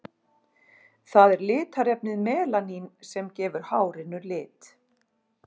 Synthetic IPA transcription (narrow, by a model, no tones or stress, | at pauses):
θaðɛɾlɪːt̪aɾɛpnɪðmɛːlaninsɛmcɛːvʏɾ̥haːwɾɪnːʏɾlɪːt̪